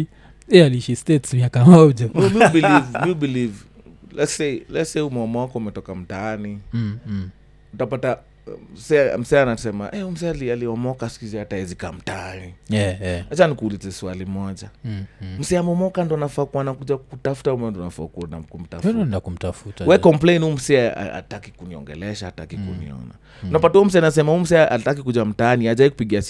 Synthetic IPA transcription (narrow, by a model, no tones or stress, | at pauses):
ɛaliiʃistɛtsmiakamɔʄamimibilivmibiliv | lɛtselɛtseiumɛɔmawakɔumɛtɔkam̩taani | utapata | m̩sɛa̰m̩sɛanasɛma̰ʔɛm̩s̬ɛalialiɔmɔkasi̥kizɛataɛzikam̩taani | at͡ʃanikuːlizɛsualimɔʄam̩sɛamɔmɔkandɔanafakuanakuʄakutafu̥taumɛndɔnafa̰kuna̰kum̩tandakum̩tafutwɛkɔmpleinum̩sɛa̰a̰takikuniɔ̰ŋɡɛ̰lɛʃaːtakikṵnḭɔ̰na̰ | unapatauum̩sɛaninas̬ɛmahum̩sɛʔatak̬ikuʄam̩taːniaʄaikupiɠias